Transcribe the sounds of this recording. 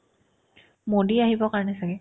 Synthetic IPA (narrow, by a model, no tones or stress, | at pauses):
modiaɦibɔkaɹɔnɛsaɡɛ